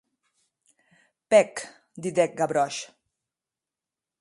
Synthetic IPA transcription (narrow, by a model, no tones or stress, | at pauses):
pɛk | d̪id̪ɛk̚ɡaβɾɔʃ